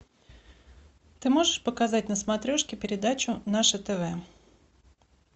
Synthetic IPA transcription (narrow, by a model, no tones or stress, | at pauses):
t̪ɨmo̞ʐɨʂpəkazat̚ʲnəsmɐt̪ɾʲo̞ʂkʲɪpʲɪɾʲɪd̪at͡ɕʊnaʂət̪ɛvɛ